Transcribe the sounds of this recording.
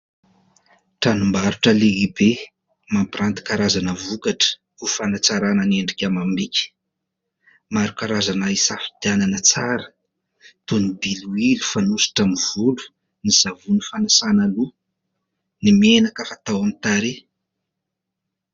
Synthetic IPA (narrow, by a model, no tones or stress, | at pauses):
ʈ͡ʂanumbaɾuʈ͡ʂəleibe | mampirant̪i̥kaɾazanəvukaʈ͡ʂə̥ | ufanat͡saɾanəneɳɖ͡ʐikʲamambikʲi̥ | maɾukaɾazanaisafi̥t̪iananət͡saɾə̥ | t̪unibiluilu̥fanusi̥ʈ͡ʂamiv̥ulu̥ | niz̥avunifanasanalu | nimienakafat̪awamit̪aɾe